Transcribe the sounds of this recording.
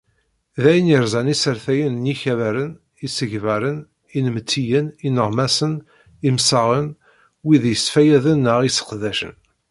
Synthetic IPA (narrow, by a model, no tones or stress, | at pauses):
ðæjəniɾzˤænisəɾθæjənnjiçævæɾən | isəʝvæɾən | inmət͡s̪ʰːijəninəʁmæsən | imsəʁən | wiðjəsfæjæðənːəʁisə̥qðæʃə̰n